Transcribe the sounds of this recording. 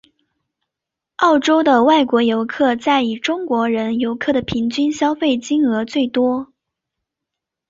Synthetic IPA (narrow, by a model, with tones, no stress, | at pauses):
ɑ˥˩ʊʈ͡ʂo˥ʊd̪ə˨wa˥˩ɪkwɔ˧˥jo˧˥ʊkʰɤ˥˧t͡sa˥˩ɪi˨˩ʈ͡ʂʊ˥ŋkwɔ˧˥ɻə˧˥njo˧˥ʊkʰɤ˥˩ɾə˩pʰi˧˥ŋt͡ɕy˥nɕjɑ˥ʊfe˥˩ɪt͡ɕi˥nɤ˧˥t͡swe˥˩ɪt̪wɔ˥